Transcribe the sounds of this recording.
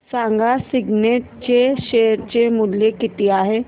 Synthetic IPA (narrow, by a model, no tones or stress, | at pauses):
sãːŋɡasɪɡneːʈ̚t͡ʃeʃeːəɾt͡ʃemʊlːekɪt̪ijaɦɛː